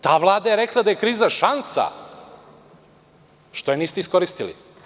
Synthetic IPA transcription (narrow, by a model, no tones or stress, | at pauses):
t̪aːʋlˠaːd̪ajeɾeklˠad̪aje̞kɾiːzaʃansa̰ | ʃt̪ojeniːst̪eisko̞ɾist̪ilḭ